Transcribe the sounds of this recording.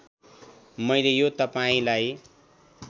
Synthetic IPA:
mʌjlejot̪ʌpaĩlaj

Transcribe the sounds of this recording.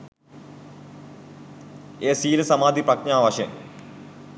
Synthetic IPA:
eːsiːlɐsɐmaːd̪ʱiprɐkɲaːʋɐɕɐ̰

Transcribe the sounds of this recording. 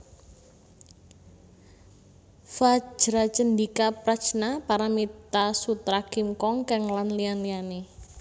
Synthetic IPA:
fḁd͡ʒ̥ɾat͡ʃənd̪ikapɾat͡ʃnapaɾamit̪asut̪ɾakimkɔŋkɛŋlanlianliane

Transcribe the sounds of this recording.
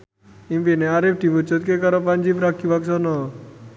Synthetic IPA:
impenɛaɾep̚ʈibut͡ʃɔt̪̚kekaɾɔpand͡ʒipɾakʰːibaksɔnɔ

